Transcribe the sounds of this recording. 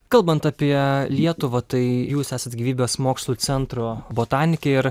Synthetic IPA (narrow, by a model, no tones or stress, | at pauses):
kɐlˠbɐnt̪ɑpʲiɛlʲiɛt̪ʊʋɐt̪ɐɪjuːsæːsɐt̪ɡʲiːʋʲiːbʲesmoːkslˠusʲɛnt̪ɾoːboːt̪ɑːnʲɪkʲɛɪɾ